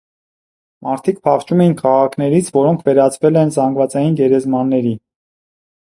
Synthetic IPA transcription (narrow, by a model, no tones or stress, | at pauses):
mɑɾt̪ʰik̚pʰɑχt͡ʃumɛjinkʰɑʁɑkʰnɛɾit͡sʰvɔɾɔŋkʰvɛɾɑt͡sʰvɛlɛnzɑŋɡvɑt͡sɑjinɡɛɾɛzmɑnːɛɾi